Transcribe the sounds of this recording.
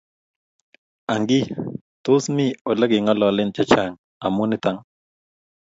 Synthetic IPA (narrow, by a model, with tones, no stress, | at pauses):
a˨ŋɡi˦ | t̪o˦smi˦o˨lə˦ɡɪ˨ŋɔ˦lɔ˨lɪ˦nt͡ʃa˦t͡ʃa˦˨ŋ | a˨mu˦nɪ˦t̪a˦ŋ